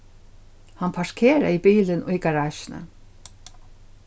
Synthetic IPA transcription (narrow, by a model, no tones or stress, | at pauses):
hanpʰaʂkʰeːɾa̰ibiːlɪnʔʊjɡaɹaːʃɪna̰